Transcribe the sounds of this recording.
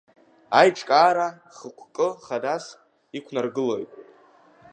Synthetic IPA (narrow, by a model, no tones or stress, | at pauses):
ajʈ͡ʂʼkʼaːɾa | χəkʷʰkʼɨχadas | ikʷʰnarɡɨlojtʼ